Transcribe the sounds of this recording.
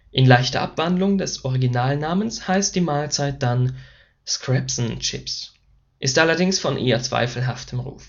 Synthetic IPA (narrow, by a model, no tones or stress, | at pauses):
ʔɪnlaɪçtɐʔapv̥andlʊŋdɛsʔɔʁiɡinaːlnaːmənshaɪst̚d̥iːmaːlt͡saɪt̚d̥an | skʁ̥ɛpsn̩t͡ʃɪ̰ps | ʔɪstʔalɐdɪŋsfɔnʔḛːɐt͡sv̥a̰ɪfl̩ɦaftʰəmʁṵːf